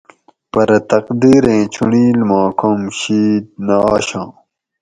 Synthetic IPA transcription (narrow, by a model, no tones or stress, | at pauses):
pɐɾɐt̪ɐqd̪iːɾẽːt͡ɕʰṵɳiːlmãːkʰomɕiːd̪̚naːɕãː